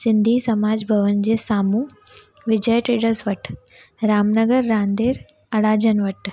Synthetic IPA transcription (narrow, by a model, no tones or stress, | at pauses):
sɪ̃nd̪ʱisɐmaːd͡ʑbʱɐʋənd͡ʑeːsaːmuː | ʋɪd͡ʑəjʈeːɽəsʋɐʈ | ɾaːmnəɡəɾːãːnd̪eːɾ | ɐɽaːd͡ʑənʋɐʈ